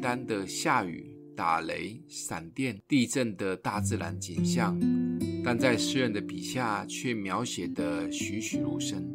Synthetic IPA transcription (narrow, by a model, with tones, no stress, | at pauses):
t̪a˦nd̪ə˨ɕja˥˩y̰˨˩˦ | t̪a˨˩le˧˥ɪsa˨˩nt̪jɛ˥˩nt̪i˥˧ʈ͡ʂə˥˩nd̪ə˩t̪a˥˧t͡sɹ̩˥˩la˧˥nt͡ɕi˨˩nɕjɑ˥˩ŋt̪a˥˧nt͡sa˥˧ɪʂɻ̩˥˧ɻə˥˩nd̪ə˩pi˨˩ɕja˥˩t͡ɕʰɥɛ˥˩mjɑ˧˥ʊɕjɛ˨˩d̪ə˦ɕy˧˥ɕy˨˩lu˥˩ʂə˥n